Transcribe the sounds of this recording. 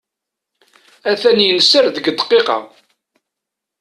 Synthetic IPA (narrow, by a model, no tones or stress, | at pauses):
æθænjənəsːəɾðəɡəd̪ˤqːeqɑ̰